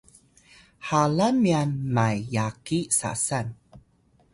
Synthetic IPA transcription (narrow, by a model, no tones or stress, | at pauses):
halamianmajːakisa̰san